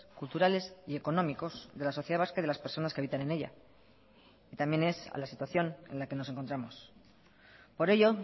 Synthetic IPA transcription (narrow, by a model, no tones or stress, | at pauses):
kult̪uɾale̞sie̞ko̞nõ̞miko̞zðe̞laso̞θjeaβaskaiðe̞laspe̞ɾso̞naskeaβit̪ane̞ne̞ʎa̰ | it̪ambje̞ne̞sa̰lasit̪waθjo̞ne̞̰nlake̞no̞se̞ŋko̞nt̪ɾamo̞s | po̞ɾe̞ʎo̞